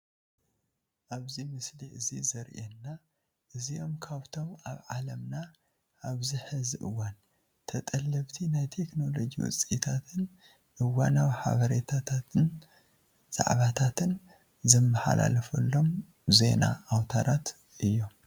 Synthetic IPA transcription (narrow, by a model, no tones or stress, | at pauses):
ʔaβzimɨsliʔɨzizɐɾʔenːa | ʔɨzio̞mkʰaβt̪ʰo̞maβʕalɐmna | ʔaβziħɨziʔɨwːan | t̪ʰɐt̪ʼɐlːɐβt̪ʰinajt̪ʰe̞kno̞lod͡ʒḭwʊ̰t͡sʼit̪ʰat̪ʰɨn | ʔɨwːanaβħa̰βɐɾet̪ʰat̪ʰat̪ɨn | z̥a̰ʕβat̪ʰat̪ʰɨn | zɐmːaħa̰lʔa̰lɐfɐlːo̞m | ze̞na̰ʔawt̪ʰaɾʔat̪ | ʔɨjːo̞m